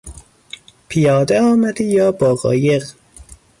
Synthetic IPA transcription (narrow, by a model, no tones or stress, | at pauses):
pʰijɒːd̪eɒːmæd̪ijɒːbɒːɣɒ̰ːjeɣ